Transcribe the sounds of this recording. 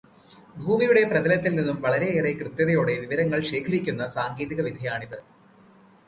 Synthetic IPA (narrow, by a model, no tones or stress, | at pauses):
bʱuːmijuɽe̞prɐðɐlɐt̪ːilninːumʋɐɭɐɾe̞eːrekrɨt̪jɐðɐjo̞ːɽe̞ʋiʋɐɾɐŋːɐɭɕe̞ːkʰɐɾikʲːunːɐsaːŋɡeːðiɣɐʋid̪ʱɐjaːɳiðɨ